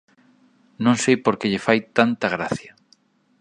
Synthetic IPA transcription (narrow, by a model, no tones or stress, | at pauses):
nõŋsejpoɾkeʎɪfajt̪ant̪aɣ̞ɾaθjɐ